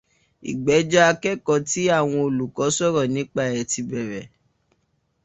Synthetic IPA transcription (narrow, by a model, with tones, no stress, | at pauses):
ḭ˨ɡ͡bɛ˨˦d͡ʒa˦a˧kɛ˦kɔ˧˨ti˦a˦˨w̃ɔ̃˧o˨lu˨kɔ˨˦sɔ˦ɾɔ˦˨nĩ˨˦k͡pa˦˨ɛ˨ti˧bɛ˨ɾɛ˨